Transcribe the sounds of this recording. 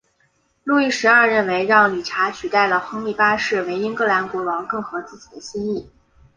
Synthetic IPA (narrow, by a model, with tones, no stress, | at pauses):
lu˥˧i˥˩ʂɻ̩˧˥ɐ˞˥˧ɻə˥˩nwe˧˥ɪɻɑ˥˩ŋli˨˩ʈ͡ʂʰa˧˥t͡ɕʰy˨˩t̪a˥˩ɪlə˩xɤ˥ŋi˥˩pa˥ʂɻ̩˥˩we˧˥ɪi˥ŋkɤ˥˩la˧˥nkwɔ˧˥lwɑ˧˥ŋkɤ˥˩ŋxɤ˧˥t͡sɹ̩˥˩t͡ɕi̥˨˩d̪ə˦ɕi˥ŋi˥˩